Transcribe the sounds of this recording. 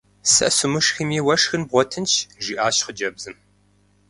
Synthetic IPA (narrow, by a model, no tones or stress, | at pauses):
sɨ̰sumɨʂximiːwɐʂxɨnbʁʷɔtʰɨnt͡ʃʰʒiːʔaːɕχəd͡ʒɐbzɨm